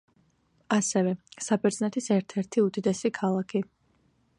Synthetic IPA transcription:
asɛvɛsabɛɾd̪zʼnɛt̪ʰisɛɾt̪ʰɛɾt̪ʰiud̪id̪ɛsikʰalˠakʰi

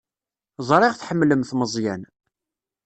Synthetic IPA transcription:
zˤɾˤɪʁθħəmːləmθməzˤjæn

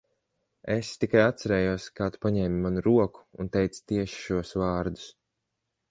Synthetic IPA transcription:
est̪ikajat̪saɾɛːjuɔskaːt̪u̥paɲɛːmimanuɾuɔku̥̰ːnt̪ɛjt̪sḁt̪iɛʃi̥ʃuɔsvɑːɾd̪u̥s

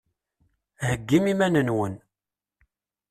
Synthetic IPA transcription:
həɡːimimænənwən

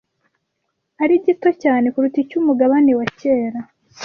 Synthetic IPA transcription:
aɾiɟito̞caːne̞kuɾuticumuɡaβanewace̞ːɾa

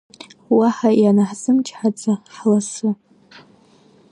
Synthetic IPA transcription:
waħajanaħzɨmt͡ʃʰħad͡zaħlasu

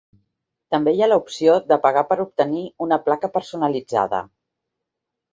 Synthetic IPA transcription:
t̪əmbejaləupsioðəpəɣ̞apəɾup̚t̪əniunəplakəpəɾsunəlid͡za̰ðə̰

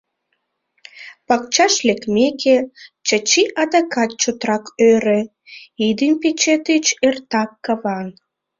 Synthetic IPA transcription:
pɑk̚t͡ɕɑʃlekmekʰet͡ɕət͡ɕiʔɑd̪ɑkɑt̪̚t͡ɕot̪ɾɑkøɾe | id̪impet͡ɕet̪et͡ɕert̪ɑkːɑβɑn

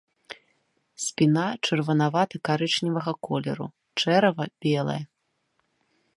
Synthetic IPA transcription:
sʲpʲinat͡ʂɐrvɐnavat̪ɐkaɾɨt͡ʂnʲivɐɣɐkɔlʲɛ̰ɾṵ | t͡ʂɛɾɐvɐb̥ʲɛlˠɐ̰jɐ

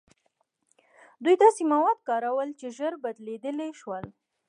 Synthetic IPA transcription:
d̪ujd̪ɑsemawɑd̪̚kɑɾawəlt͡ʃeʒəɾbad̪led̪əleʃwəl

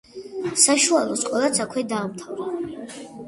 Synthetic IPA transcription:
saʃualˠɔsqʼwɛlˠat̪sʰakʰwɛd̪aːmt̪ʰavɾa

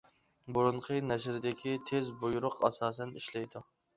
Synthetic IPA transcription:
buɾʊɴqʰənɛʃɾɪd̪ɪkʲʰit̪ʰezbujuɾʊqʰɑsɑːs̬ɛniʃlɛjd̪u

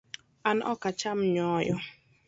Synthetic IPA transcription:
anʔɔ̰kat͡ʃamɲɔːjɔ

